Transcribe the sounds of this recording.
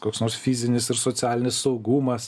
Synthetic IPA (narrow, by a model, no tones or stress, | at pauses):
koːksnoːɾsfʲizʲɪnʲɪsɪɾsoːt̪t͡s̪ʲæːlʲɪnʲɪssɒʊɡuːmɐs